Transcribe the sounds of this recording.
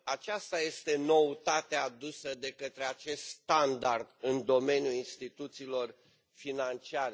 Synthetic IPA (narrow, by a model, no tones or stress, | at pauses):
at͡ʃast̪aje̞st̪e̞no̞ut̪at̪ead̪usəd̪e̞kət̪ɾe̞at͡ʃe̞st̪st̪and̪ard̪ɨnd̪o̞me̞njuinst̪it̪ut̪siːlo̞r | finant͡ʃiaɾe